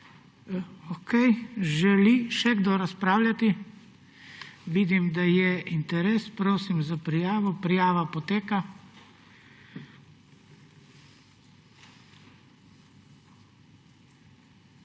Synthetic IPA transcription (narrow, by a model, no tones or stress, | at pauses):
okʰɛjʒɛliʃɛɡd̪oɾaspɾaːwlʲjat̪i | ʋiːd̪imd̪ajɛint̪ɛɾeːspɾoːsimzapɾijaːʋɔpɾijaːʋapɔt̪eːka